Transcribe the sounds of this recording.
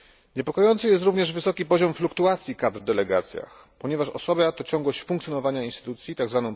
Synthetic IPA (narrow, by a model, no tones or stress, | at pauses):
ɲɛpɔkɔjɔnt̪sɨjɛst̪ɾuvɲɛʐvɘsɔkʲipɔʑɔmflukt̪uat̪sʲjikad̪ɾvd̪ɛlɛɡa̰t̪sʲja̰x | pɔɲɛvaʂɔ̰sɔbat̪ɔt͡ɕɔ̃ŋɡwɔɕt͡ɕfuŋk̪ʲjɔnɔvaɲainst̪ɘ̥t̪ut̪sʲjit̪aɡzvanɔ̃w̃